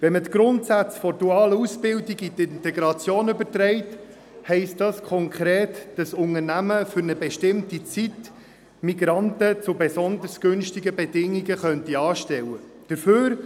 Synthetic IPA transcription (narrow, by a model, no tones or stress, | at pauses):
vɛmət̪ɡ̥ɾʊntsæt͡sfɔɾduɑːləusbɪldiɡitɪntɛɡɾɑt͡sjoːnøbəɾtɾɛɪt | hɛɪst̚dɑskʰɔŋkχɾɛːtd̥ɑsʊŋəɾnæməfʏɾnəbɛʃtɪmtit͡sit | miɡɾɑntət͡sʊbɛsɔnd̪əɾsɡ̥ønʃtiɡəbɛdɪŋiɡəχœntiɑːʃtɛwəd̥əɾføːɾ